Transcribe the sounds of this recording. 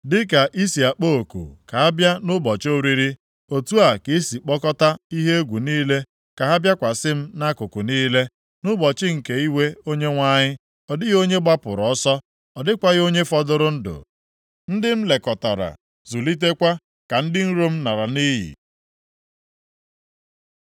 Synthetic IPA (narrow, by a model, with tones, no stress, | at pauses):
dɪ˦ka˨ʔi˦si˨a˨k͡po˦o˨kṵ˨ka˨a˦bja˦nʊ˦bɔ˨t͡ʃo˦ɾi˦ɾi˦ | o˨tu˦a˨ki˦si˨k͡pɔ˦kɔ˦ta˦i˦ɦe˦e˦ɡʷu˨niː˦le˦ | ka˨ɦa˦bja˦kʷa˨sɪ˦m̩˦na˦kʊ˨kʊ˨niː˦le˦ | nʊ˦bɔ˨t͡ʃɪ˦ŋ̩˨ke˨i˦we˦o˦ɲe˦ŋʷa˦ɲɪ˦ | ɔ˨dɪ˦ɣo˦ɲe˦ɡ͡ba˦pʊ̰˨ɾɔ˨ɔ˦sɔ˦ | ɔ˨dɪ˦kʷa˦ɣo˦ɲe˦fɔ˦dʊ˦ɾʊ˦n̩˦dʊ̰˨ | n̩˦dɪ˦m̩˦le˨kɔ˨ta˨ɾa̰˨ | zu˨li˦t̬e˦kʷa˦ | ka˨n̩˦dɪ˦n̩˦ɾo˦m̩˦na˨ɾa˨ni˦ɦḭ˨